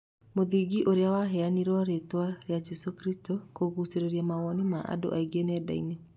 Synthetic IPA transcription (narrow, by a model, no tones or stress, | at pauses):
moðiɡiʔoɾeawaɦɛaniɾɔɾetwaɾead͡ʒɛsokɾistokoɣuseɾeɾiamaɣɔnimaʔa̰do̰ʔaiɡenɛda̰ḭne